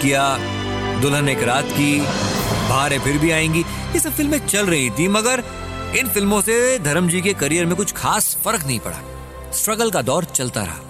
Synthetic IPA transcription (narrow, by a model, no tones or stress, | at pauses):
kija | d̪ʊlɦəneːkɾaːt̪ki | baːɾẽpʰɪɾbʱiaːẽːŋɡi | jesɐbfɪlmẽt͡ʃɐlɾɐɦĩt̪ʰĩmɐɡəɾ | ɪnfɪlmõsed̪ʱɐɾəmd͡ʒikekɐɾijəɾmẽkʊt͡ʃʰxaːsfɐɾknɐɦĩpɐ̰ɽa̰ː | sʈɾɐɡəlkad̪ɔːɾt͡ʃɐlt̪a̰ɾɐ̰aː